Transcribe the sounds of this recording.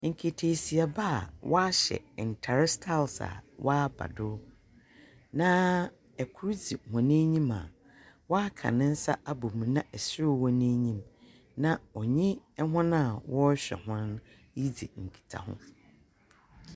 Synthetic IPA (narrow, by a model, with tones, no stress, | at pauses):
ŋ̩˨kʰi˨tʰe˨si˨a˨ba˦a̰˨wɔ˦a˦ɕɛ̰˨n̩˨tʰa˨ɾɪ˦stʰa˦˨lsa̰˨wʔaː˦ba̰˨dʊ˦ | nã˦ | ɛ˨kʰu˦ɾd͡zi˨hʊ̃˨nẽ˦ɲĩ˦ma̰˨ | wɔ˦a˦kʰã̰˨nɪ̃˦n̩˦sa˦ʔa˦bʊ˨mũ˨nã˦ʔɛ˨sɪ˦ɾʊ˦wɔ˦nẽ˦ɲĩ˦m | nã˦ɔ˨ɲɪ̃˦ɛ˦ɦʊ̃˦nã˦a˨wɔ˦ɕᶣɛ̰˨hʊ̃˦n | ji˦d͡zi˨ŋ̩˨kʰi̥˨tʰa̰˨hʊ̰̃˦